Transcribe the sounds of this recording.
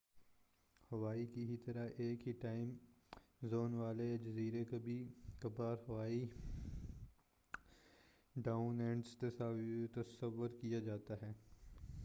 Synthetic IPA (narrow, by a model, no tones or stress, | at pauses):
hɐʋaːikiɦit̪ɐɾaʔeːkɦiʈaːɪm | zoːnʋaːled͡ʒɐziːɾekabʱikɐbaːɾɦɐʋaːi | ɖaːʊnɛ̃ɳɖst̪ɐsat̪ɐsəʋːʊɾkijad͡ʒaːt̪aɦɛː